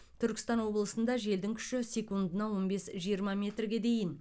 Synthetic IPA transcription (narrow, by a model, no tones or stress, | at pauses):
t̪ʰʏɾkʲɪ̥st̪ɑnwo̞blˠəsənd̪ɑʒe̞ld̪ɪŋkʲʰʏ̥ʃɪsʲe̞kund̪ənɑwo̞nbe̞sʒijəɾmɑmʲe̞t̪rɡʲe̞d̪e̞jɪn